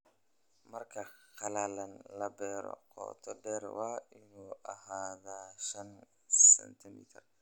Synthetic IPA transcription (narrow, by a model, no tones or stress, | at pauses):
mɐrkʰɐqɑlalɐnlɐbɛːɾɔ̰qɔ̰ːt̪ʰɔɖɛːrwɑːʔɪnuːʔɐɦaːðaːʃɐn | sɛ̰nt̪ʰɪmḭːt̪ʰɐr